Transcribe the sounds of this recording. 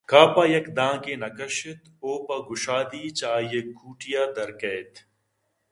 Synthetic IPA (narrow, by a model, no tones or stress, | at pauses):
kaːpaːjɐkd̪ãːkenɐkɐʃɪt̪oːpɐɡʊʃaːd̪iːt͡ʃaːjɐkːuːʈijaːd̪ɐɾkɛːt̪